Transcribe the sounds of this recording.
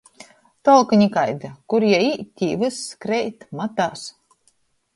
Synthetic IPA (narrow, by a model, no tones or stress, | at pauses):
t̪ɔlˠkɨɲʲikajd̪ɨkuɾjait̪ʲiːvɨskɾɛjt̪mat̪aːs